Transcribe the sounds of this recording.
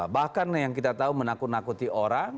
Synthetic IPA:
bahkanjaŋkit̪at̪aumənakunakut̪ioɾaŋ

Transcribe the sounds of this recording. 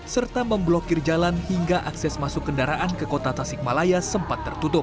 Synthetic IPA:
sərt̪aməmblokɪrd͡ʒalanhiŋɡaʔaksɛsmasʊkːəndaɾaʔankəkot̪at̪asɪk̚malajasəmpat̪ːərt̪ut̪ʊp̚

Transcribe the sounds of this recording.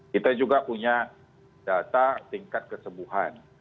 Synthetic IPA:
kit̪ad͡ʒuɡapuɲa | d̥at̪at̪iŋkat̪̚kəsəbuɦan

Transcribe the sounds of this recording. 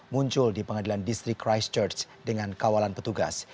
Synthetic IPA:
muɲt͡ʃʊldipəŋadilandist̪ɾɪkːɾajst͡ʃərt͡ʃ | dəŋankawalanpət̪uɡa̰s

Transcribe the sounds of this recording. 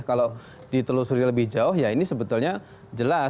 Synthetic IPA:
kalo | d̥it̪əlusuɾialəbɪhd͡ʒaʊɦjainisəbət̪ʊlɲa | d͡ʒəla

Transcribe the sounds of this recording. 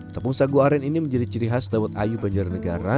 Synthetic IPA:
t̪apʊŋsaɡuaɾɛniniməɲd͡ʒadit͡ʃəɾiɦasdawat̪̚ajubaɲd͡ʒarnəɡaɾa

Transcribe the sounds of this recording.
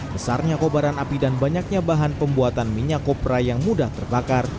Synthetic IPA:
bəsarɲakobaɾanapidanbaɲak̚ɲabaɦanpəmbuat̪anmiɲakopɾajaŋmudaht̪ərbakar

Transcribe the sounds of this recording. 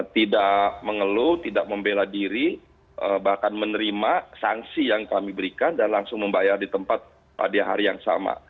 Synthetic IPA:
t̪idaʔməŋəlut̪idak̚məmbeladiɾi | əbahkanmənəɾimasaŋsijaŋkamibəɾikandanlaŋsʊŋməmbajardit̪əmpat̪̚ | pa̰daɦa̰ɾijaŋsa̰ma̰

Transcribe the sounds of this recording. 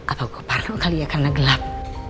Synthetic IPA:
ʔapaɡoparnoʔkalijakarnaɡəlap̚

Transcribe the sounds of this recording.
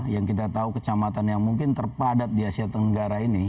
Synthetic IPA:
jaŋkit̪at̪aukət͡ʃamat̪anjaŋmuŋkɪnt̪ərpadat̪̚diasiat̪əŋɡaɾaini

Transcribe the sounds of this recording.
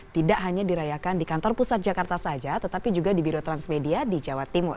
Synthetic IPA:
t̪idaʔɦaɲadiɾajakandikant̪ɔrpusat̪̚d͡ʒakart̪asad͡ʒat̪ət̪apid͡ʒuɡadibiɾot̪ɾansmediadid͡ʒawat̪ːimʊ̰r

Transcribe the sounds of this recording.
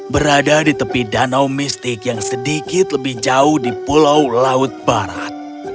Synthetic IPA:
bəɾadadit̪əpihdanawmist̪ɪkjaŋsədikɪt̪ləbɪhd͡ʒaʊhdipulawlaʊt̪̚baɾa̰t̪̚

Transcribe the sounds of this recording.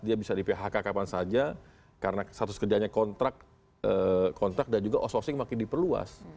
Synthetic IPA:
diabisadipeɦakakapansad͡ʒa | kaɾənasat̪ʊskərd͡ʒaɲakɔnt̪ɾak | əkʰɔnt̪ɾak̚dand͡ʒuɡaʔososɪŋmakɪndipərlua̰s

